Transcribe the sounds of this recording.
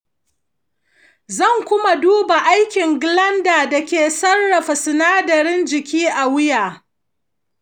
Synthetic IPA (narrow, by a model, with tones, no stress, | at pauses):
zɐ˦˨ŋkʷʊ˦ma˨duː˦ba˨ʔa˦jkʲɪ˨ŋɡɪ˨lɐ˦ndaː˨da˨kʲeː˨sɐ˦rːɐ˨ɸa˨sɪ˨naː˦dɐ˨ɾɪ˦nd͡ʒɪ˨kʲiː˦ʔa˨wɪ˦jaː˨